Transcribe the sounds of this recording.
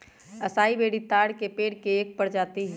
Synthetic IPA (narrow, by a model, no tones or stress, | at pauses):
ɐsaːibeːɽit̪aːɽkepeːɽkeeːk̚pɐɽd͡ʒaːt̪iɦɛ